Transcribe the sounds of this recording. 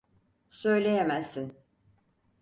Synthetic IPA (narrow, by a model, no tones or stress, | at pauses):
sø̞jlʲejemæsːin